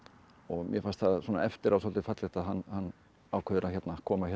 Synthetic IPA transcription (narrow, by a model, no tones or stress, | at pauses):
ɔɣmjɛfanst̪θaðswɔːna̰ɛft̪ɪɾʔawsɔlt̪ɪfat̪lɪxt̪aðɦanːhanː | aːwkʰœðʏɾaçɛt̪nakʰɔːmaçɛ